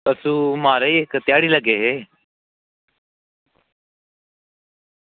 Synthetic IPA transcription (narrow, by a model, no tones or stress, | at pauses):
əsũːmaːɾeiɪkt̪jaːɽiləɡeːɦeː